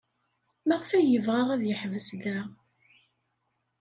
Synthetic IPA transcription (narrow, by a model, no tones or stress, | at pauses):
mæʁəfæjəvʁaʁæðjəħvəsɡæ